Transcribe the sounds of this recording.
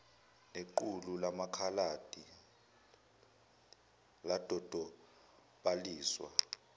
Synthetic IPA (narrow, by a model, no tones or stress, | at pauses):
neǃululamakʰalad̥ʱi | lad̥ʱɔd̥ʱɔ | ɓaliːswa̰